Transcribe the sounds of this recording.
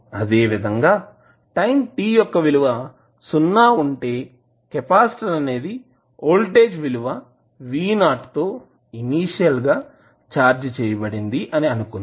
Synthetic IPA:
ɐd̪e̞ːʋid̪ʱɐŋɡaː | ʈɐjmʈiːjɔkːɐʋiluʋɐ | sunːaːuɳʈe̞ː | kepaːsʈɐɾɐne̞ːd̪i | oːlʈe̞ːd͡ʒʋiluʋɐ | ʋiːnaːʈt̪o̞ː | iniːʂijɐlɡaː | t͡ʃaːɾd͡ʒt͡ʃɛːjɐbɐɽind̪iʔɐniɐnukund̪

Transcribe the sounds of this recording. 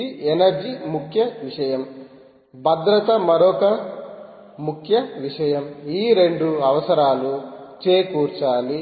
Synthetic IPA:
ienɐɾd͡ʒimukʰjɐʋiʂɐjɐm | bʱɐd̪ɾɐt̪ɐmɐɾɔːkɐ | mukʰjɐʋiʂɐjɐmiːɾe̞ɳɖuɐʋɐsɐɾaːlut͡ʃe̞ːkuːɾt͡ʃaːli

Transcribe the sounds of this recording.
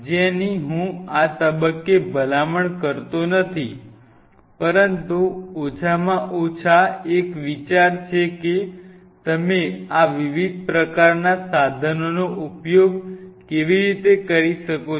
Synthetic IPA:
d͡ʒeɛniɦũat̪əbəkːebʱəlaməɳkəɾt̪onət̪ʰi | pəɾənt̪uot͡ʃʰamãʔot͡ʃʰaekʋit͡ʃaɾt͡ʃʰeke | t̪əmeaʋiʋid̪̚ʱpɾəkaɾnasad̪ʱənonoʔupjoɡkeʋiɾit̪ekəɾiʃəko

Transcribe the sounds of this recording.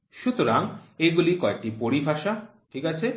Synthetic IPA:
ʃut̪oɾaŋeɡulikɔek̚ʈipoɾibʱaʃa | ʈʰikat͡ɕʰe

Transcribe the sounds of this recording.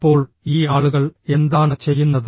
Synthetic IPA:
pːo̞ːɭ | iːaːɭuɣɐɭe̞nd̪aːɳɨt͡ɕe̞jːunːɐð

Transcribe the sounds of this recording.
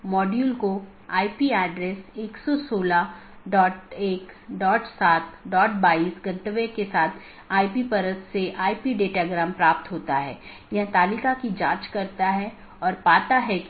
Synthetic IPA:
mɔːɖjuːlko | aːipiɛːɖɾeːseːksɔsoːla | ɖɔːʈeːkɖɔːʈsaːt̪̚ʰɖɔːʈ̚baːiːsɡɐ̃nt̪əʋekesaːt̪ʰ | aːipipɐɾəsseʔaːipiɖeːʈaɡɾaːmpɾaːp̚t̪ɦoːt̪aɦɛ̰ː | jɐɦt̪aːlikakid͡ʒãːt͡ʃkɐɾt̪aɦɛ | ɔːɾpaːt̪aɦɛ

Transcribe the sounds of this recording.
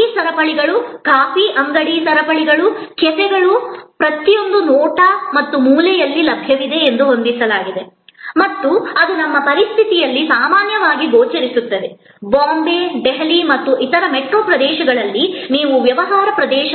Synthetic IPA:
iːsɐɾɐpɐɭiɡɐɭukaːfiʔɐŋɡɐɽisɐɾɐpɐɭiɡɐɭukɛsɛɡɐɭupɾɐt̪ijo̞nd̪unɔːʈɐmɐt̪ːumuːlɛjɐlːilɐbʱjɐʋid̪e̞ːnd̪uɦond̪isɐlaːɡid̪emɐt̪ːuɐd̪unɐmːɐpɐɾist̪ʰit̪ijɐlːisaːmaːnjɐʋaːɡiɡoːt͡ʃɐɾisut̪ːɐʋe | baːmbeɖɛɦɐlimɐt̪ːuʔit̪ɐɾɐmeʈɾoːpɾɐd̪ɛːʃɐɡɐɭɐlːiniːʋuʋjɐʋɐɦaːɾɐpɾɐd̪ɛːʃɐ

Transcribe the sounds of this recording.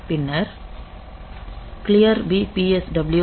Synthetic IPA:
pinər | kliərbipiɛsdablju

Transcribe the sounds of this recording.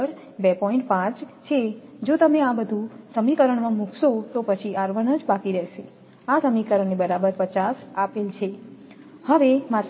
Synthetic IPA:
əɾ | bepɔĩɳʈ̚pãt͡ʃt͡ʃʰed͡ʒot̪əmeabəd̪ʱũsəmikəɾəɳ̃mãmukʰʃot̪opət͡ʃʰiʔaɾʋənəd͡ʒbakiɾɛɦʃe | asəmikəɾəɳnebəɾabəɾpət͡ʃasapelt͡ʃʰe | həʋema

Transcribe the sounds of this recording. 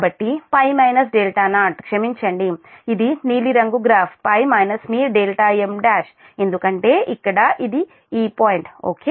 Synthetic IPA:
bɐʈːipɐjmɐjnɐsɖeːlʈaːnaːʈkʂɐmiɲt͡ʃɐɳɖiid̪iniːliɾɐŋɡuɡɾaːpʰpɐjmɐjnɐsmiːɾɖeːlʈaːemɖaːʃ | e̞nd̪ukɐɳʈe̞ːʔikːɐɽɐʔid̪i | iːpaːjɳʈo̰ːkeː

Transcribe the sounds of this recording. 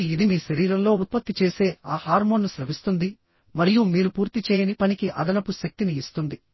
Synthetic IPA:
id̪imiːʃɐɾiːɾɐmlo̞ːut̪̚pɐt̪ːit͡ʃe̞ːse̞ːaːhaːɾmo̞ːnːusɾɐʋist̪und̪i | mɐɾijumiːɾupuːɾt̪it͡ʃɛːjɐnipɐnikiʔɐ̰d̪ɐnɐpuʃɐk̚t̪iniːst̪und̪i

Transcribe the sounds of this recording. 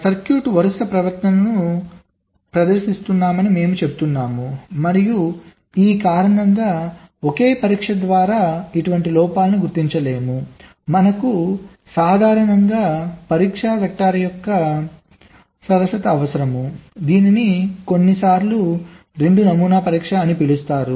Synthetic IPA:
sɐɾkjuːʈʋɐɾɐsɐpɾɐʋɐɾt̪nɐnnu | pɾɐd̪ɐɾʃist̪unːaːmɐnime̞ːmut͡ʃe̞but̪unːaːmumɐɾiju | iːkaːɾɐɳɐŋɡaːokeːpɐɾiːkʂɐd̪ʋaːɾaːiʈuʋɐɳʈilɔːpaːlɐnuɡuɾt̪iɲt͡ʃɐle̞ːmu | mɐnɐku | saːd̪ʱaːɾɐɳɐŋɡaːpɐɾiːkʂɐʋɐk̚ʈːaːɾɐjɔkːɐ | sɐɾɐsɐt̪ɐːʋɐsɐɾɐmud̪iːniniko̞nːisaːɾlu | ɾe̞ɳɖunɐmuːnaːpɐɾiːkʂaːnipilust̪aːɾu

